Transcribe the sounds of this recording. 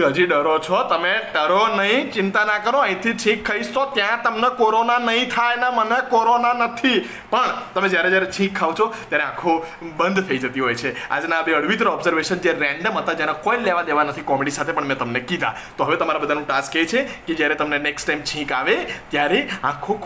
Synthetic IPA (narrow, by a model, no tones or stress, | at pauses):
ɦəd͡ʒiɖəɾot͡ʃʰɔt̪əmeɖəɾonəɦĩt͡ʃɪnt̪anakəɾoə̃ɦĩt̪ʰit͡ʃʰĩkʰːəiʃt̪ot̪jãt̪əmnekoɾonanəɦĩt̪ʰajnamənekoɾonanət̪ʰi | pəɳt̪əmẽd͡ʒjaɾed͡ʒjaɾet͡ʃʰĩkʰːaʋt͡ʃʰot̪jaɾeãkʰo | bənd̪ʱfʰeid͡ʒət̪iɦojt͡ʃʰea̰d͡ʒnabeəɽʋit̪̬ɾɔbzəɾʋeʃənd͡ʒeɾɛ̃ɳɖəmɦət̪ad͡ʒenakoileʋad̪eʋanət̪ʰikɔmeɽisat̪ʰepəɳmɛ̃t̪əmnekid̪ʱa̰ | t̪oɦəʋet̪əmaɾabəd̪ʱanũʈasket͡ʃʰeked͡ʒjaɾet̪əmneneksʈajmt͡ʃʰĩkaʋet̪jaɾeãkʰo